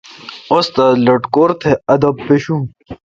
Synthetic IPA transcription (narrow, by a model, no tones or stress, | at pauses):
ost̪ɐlɐʈkoːɾt̪ʰeɐd̪ɐbpeɕũ